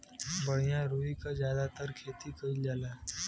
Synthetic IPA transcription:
bəɽijãɾuikazjad̪at̪əɾkʰet̪ikəild͡ʒala

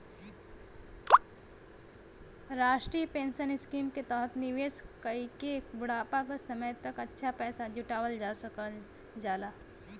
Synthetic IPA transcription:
ɾaːʃʈɾijəpẽːnʃənɪskiːmket̪ɐɦət̪nɪʋeːskəikebʊɽaːpakasɐməjt̪ɐkɐtːʃʰapɛːsad͡ʒʊʈaːʋəld͡ʒak | d͡ʒaːlaː

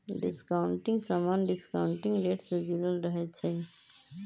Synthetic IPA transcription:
ɖɪskaʊɳʈɪ̃ŋɡsamanɖɪskaʊɳʈɪ̃ŋɡɾeːʈsẽd͡ʒiɾəlɾəɦɛt͡ʃʰɛ

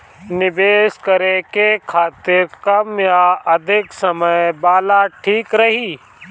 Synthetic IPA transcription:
nɪbeːskɐɾekekʰaːt̪ɪɾkɐmjaɐd̪ʱɪksɐməjbaːlaʈʰiːkɾɐɦiː

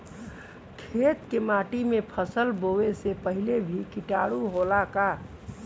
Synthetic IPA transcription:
kʰet̪kemaʈimepʰəsəlboesepəɦilebʱikiʈaɽuɦolaka

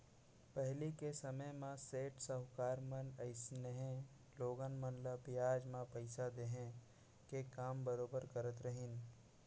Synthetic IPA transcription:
pɛɦlikesɐməjmãseːʈsəɦʊkaːɾmənɐɪsnəɦẽ | loːɡənmənləbɪjaːd͡ʒmãpəɪsad̪eːɦẽ | kekaːmbəɾoːbəɾkəɾət̪ɾəɦɪn

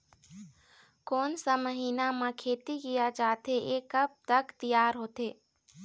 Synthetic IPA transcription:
koːnsaməɦiːnamãkʰeːt̪ikijad͡ʒaːt̪eeːkəb̚t̪ɐkt̪ijaːɾɦoːt̪eː

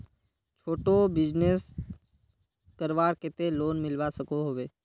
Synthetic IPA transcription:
t͡ʃʰoːʈobɪd͡ʒnes | kəɾʋaːɾkɪt̪eloːnmɪlʋasəkoɦoːʋeː

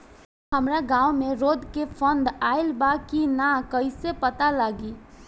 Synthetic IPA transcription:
ɦəmɾaɡãːʊmẽɾoːd̪ʱkepʰə̃nd̪aːɪlbakinakəɪsepət̪alaːɡiː

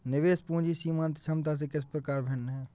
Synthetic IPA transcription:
nɪʋeːspũːd͡ʒisiːmãːnt̪t͡ʃʰɐmt̪as̬ekɪs̬pɾəkaːɾbʱenːɦɛː

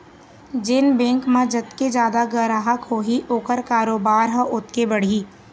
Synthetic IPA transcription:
d͡ʒɪnbɛ̃ːŋkmãd͡ʒɐt̪ked͡ʒaːd̪aɡəɾaɦakoːɦiʔoːkəɾkaːɾoːbaːɾɦə̃ʔʊt̪̚kebɐɽ̤iː

